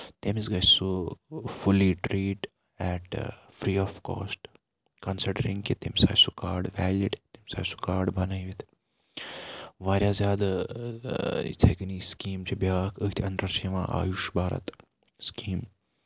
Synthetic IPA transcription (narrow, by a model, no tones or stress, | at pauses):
t̪emizɡɐt͡ʃsufuliʈɾiːʈ | ɛːʈ | fɾiːɔːfko̰ːsʈ | kɐnsiɖəɾiŋɡkit̪emsa̰ːjsukaːɾɖʋɛːliʈt̪emsa̰ːsu̥kaːɾɖbɐnɐjʋit̪ʰ | ʋaːɾʲjaːzjaːd̪ | ḭt̪ʰekniskiːmt͡ʃibjaːkʰəɦt̪ʰɐnd̪ɾɐɾsiʋã̰ʔa̰ːjuʃbaːɾɐ̰t̪ | skiːm